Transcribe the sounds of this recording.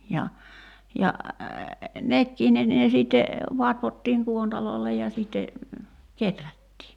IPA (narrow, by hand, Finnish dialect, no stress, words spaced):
jɑ jɑ nekːiː ne ne siˑtːe ʋɑtʋotːiːŋ kuontɑloˑi̞lːej jɑ siˑtːe ketrætːiː